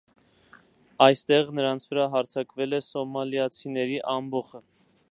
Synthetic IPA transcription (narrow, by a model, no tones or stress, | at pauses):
ɑjst̪ɛʁnəɾɑnt͡sʰvəɾɑɦɑɾt͡sʰɑkvɛlɛsɔmɑljɑt͡sʰinɛɾiʔɑmbɔχə